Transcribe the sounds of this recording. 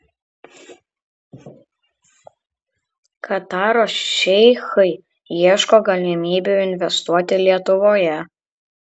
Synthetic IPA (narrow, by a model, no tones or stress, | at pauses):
kʰɐt̪ɑːɾoːsʃʲɛɪxɐɪ | iɛʃkoːɡɐlʲɪmʲiːbʲuɪnʲʋʲɛst̪uɔt̪ʲɪlʲiɛt̪ʊʋoːjɛ